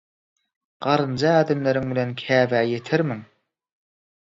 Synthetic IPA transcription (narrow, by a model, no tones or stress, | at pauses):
ɢ̥ɑɾɯnd͡ʒɑæːd̪ɪmlæɾɪŋbɪlenkʲʰæːvæːjet̪ʰɪɾmɪŋ